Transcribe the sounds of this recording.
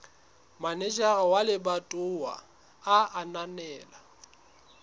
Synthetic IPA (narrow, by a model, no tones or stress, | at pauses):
manɛd͡ʒʼaɣawalɪbatʼʊwa̰ | aananɛːla